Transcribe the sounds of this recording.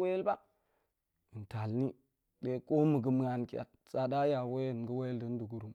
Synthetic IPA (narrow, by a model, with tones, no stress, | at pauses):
we˦jlba˦ | i˨nta˨lni˦ | de˦ko˦mə˨ɡə˨m˦a˨nki˨a̰˨t̚ | sa˨da˦ja˨we˦˨n˨ɡə˦we˦jldə˦n˦du˨ɡu˨ɾu˨m